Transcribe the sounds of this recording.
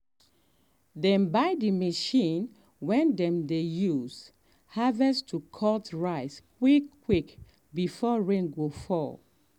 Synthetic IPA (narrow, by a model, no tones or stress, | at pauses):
dɛ̃nbaɪdiməʃĩn | wɛ̃ndɛ̃mdejuz | havɛstʰukʰɔltʰɹaɪskwikːwik | bifɔɹẽŋɡofɔ